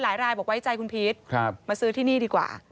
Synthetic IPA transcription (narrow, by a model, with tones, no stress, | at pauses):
laː˨˩˦jɾaː˧jbɔː˨˩k̚wa˦˥jt͡ɕa˧jkʰu˧npʰi˦˥t̪̚kʰɾa˦˥pmaː˧sɯː˦˥t̪ʰiː˥˩niː˥˩diː˧kwa̰ː˨˩